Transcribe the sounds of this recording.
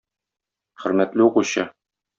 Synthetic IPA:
χɘ̆ɾmæt̪lɘuquɕɤ

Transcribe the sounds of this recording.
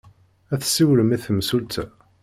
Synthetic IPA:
æθsːiwləmiθəmsult̪ʰæ̰

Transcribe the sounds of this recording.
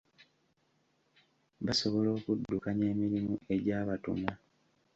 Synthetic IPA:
βaso̞βo̞lo̞ːkudːukaɲe̞ːmiɾimue̞ɟaːβatṵma

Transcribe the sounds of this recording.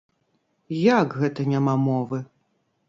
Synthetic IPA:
jakɣɛt̪ɐnʲamamɔvɨ

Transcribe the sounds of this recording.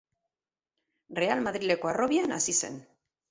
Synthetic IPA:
re̞almaðɾile̞ko̞aro̞βiana̰sise̞̰n

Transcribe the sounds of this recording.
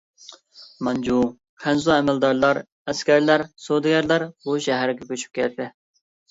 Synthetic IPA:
mɑnd͡ʒu | χʰænzuɛmɛld̪ɑɾlˠɑɾ | ɛskʲæɾlæɾsod̪ɪɡʲæɾlæɾbuʃɛɦæɾɪɡʲɛkʲʰøt͡ʃʰy̥p̚kʲɛlt̪ʰɪ

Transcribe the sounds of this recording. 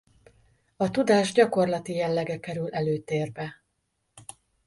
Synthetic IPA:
ɒt̪ud̪aːʒɟɒko̞rlɒt̪ijɛlːɛɡɛkɛɾylɛløːt̪eːrbɛ

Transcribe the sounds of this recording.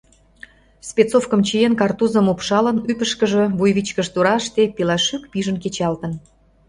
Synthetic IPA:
spʲet͡sofkəmt͡ɕijenkɑrt̪uzəmupʃɑlənypəʃkəʒĕβujβit͡ɕkəʃt̪uɾɑʃt̪epilɑʃykpiʒənket͡ɕɑlt̪ə̆n

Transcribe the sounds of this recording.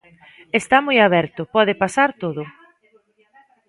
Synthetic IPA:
est̪amojaβɛɾt̪ʊpɔð̞ɪpasaɾt̪oðʊ

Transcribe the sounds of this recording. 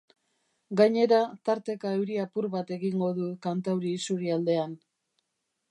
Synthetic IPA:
ɡaɲe̞ɾat̪aɾt̪e̞kaewɾiapuɾβat̪e̞ɣiŋɡo̞ðukant̪awɾiːsuɾiald̪e̞an

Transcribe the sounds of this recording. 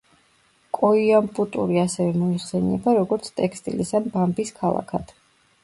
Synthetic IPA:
kʼɔiampʼut̪ʼuɾiasɛvɛmɔiχsɛnɛ̰baɾɔɡɔɾt̪sʰt̪ʼɛkʰst̪ʼḭlisambambiskʰalˠa̰kʰad̪̥

